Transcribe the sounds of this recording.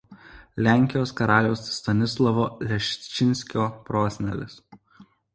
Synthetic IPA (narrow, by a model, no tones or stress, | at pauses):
lʲæˑŋʲkʲɪjoːskɐɾɑːlʲɛʊsːt̪ɐnʲɪslˠɐʋoːlʲɛʃʲt͡ʃʲɪnʲsʲkʲoːpɾoːsʲnʲɛ̰lʲɪ̰s